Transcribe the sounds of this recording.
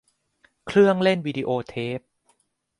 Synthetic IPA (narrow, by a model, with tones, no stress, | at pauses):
kʰɾɯ˥˩əŋle˥˩nwiː˧diː˧ʔoː˧t̪ʰeː˦˥p̚